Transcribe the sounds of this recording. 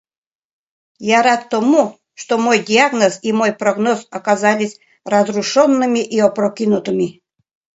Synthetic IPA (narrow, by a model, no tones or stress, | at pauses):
jaɾat̪ːomu | ʂt̪omojdʲiaɡnəsimojpɾoɡnosɐkazalʲɪsʲ | rɐzruʂonːɨmʲiʔiɔpɾokʲinʊt̪ɨmʲi